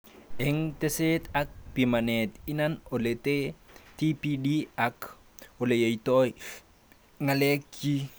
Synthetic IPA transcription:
ɛŋt̪eset̪ak̚pimanetinanoletetipidiak | olejejtɔj | ŋalekːi

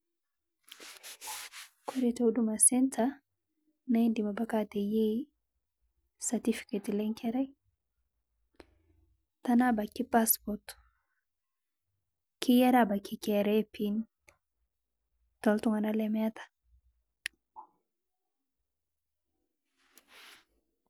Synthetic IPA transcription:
koɾeteudumasɛnta | naindimabakateje | satifi̥ketilɛŋkɛɾaj | tanabakipaspɔt | kʰijɛɾabakikɛɾɛpin | tɔltuŋanalɛmɛtḁ

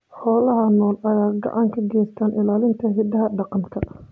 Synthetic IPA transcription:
ħɔːlɐɦɐnɔːlɐjaːɡɑ̰ʕɑŋkʰɐɡɛːst̪ʰaːnʔɪlaːlɪnt̪ʰɐɦɪd̪ɐɦɐɖɑqɑŋkʰɐ

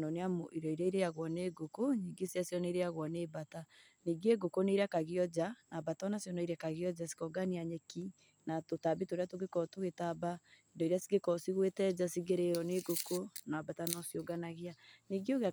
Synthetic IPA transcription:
nɔneamoiɾɔiɾaiɾeaɣwɔneɡokoniːɡesjasjɔnɛiɾeaɣwɔneːbata | niɡeɡokoneiɾakaɣeɔd͡ʒanabatɔnasjɔnɔiɾɛkaɣeɔd͡ʒasi̥kɔɡaniaɲɛki | natotabitoɾeatoɣekɔtoɣetabaendɔiɾeasiɡekɔsiɣwetɛd͡ʒasiɣeɾeɾɔneɡokonabatanɔsjoɡanaɣeaniɡeoɣa

